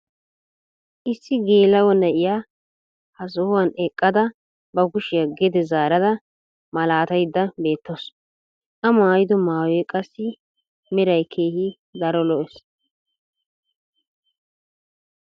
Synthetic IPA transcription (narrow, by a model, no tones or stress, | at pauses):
ʔɪsːɪɡeːlːɐwɔnɛʔɪjaː | hɐzɔhwɐnɛkʼːɐd̪ɐ | bɐɡʊʃɪjɐɡɛd̪ɛzaːɾɐd̪ɐ | mɐlaːt̪ɐjd̪ːɐbe̞ːt̪ːos | ʔɐmaːjɪd̪ɔmaːwɛkʼɐsːɪ | mɛɾɐjkʰe̞ːhɪ | d̪ɐɾɔlɔʔɛs